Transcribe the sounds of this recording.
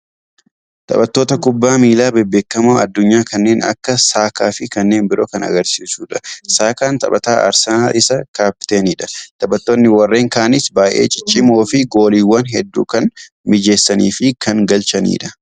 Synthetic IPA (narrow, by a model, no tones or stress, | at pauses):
t̪ʼɐ̰bɐt̪ːo̞ːt̪ɐkʊbːaːmiːlaːbɛbːeːkːɐmoːɐd̪ːʊɲːaːkɐnːe̞ːnɐ̰kːɐsaːkaːfɪkɐnːe̞ːnbɪɾo̞ːkɐnɐ̰ɡɐɾsiːsuːᶑɐsaːkaːnt̪ʼɐ̰bɐt̪aːʔɐ̰ɾsɐna̰ːlʔɪsɐkaːpɪ̥t̪eːniːᶑɐt̪ɐbɐt̪ːonːɪwɐrːe̞ːŋkaːnɪsbaːjʔe̞̰ːt͡ʃʼɪ̥t͡ʃʼːɪmo̞ːfɪɡo̞ːliːwːɐnɦɛd̪ːṵːkɐn | mɪd͡ʒe̞ːsːɐnḭːfɪkɐŋɡɐlt͡ʃɐnḭːᶑɐ̥